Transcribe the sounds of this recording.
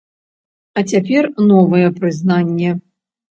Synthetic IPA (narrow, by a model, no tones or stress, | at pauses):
ɐt͡sʲapʲɛrnɔvɨjɛpɾɨznanʲːɛ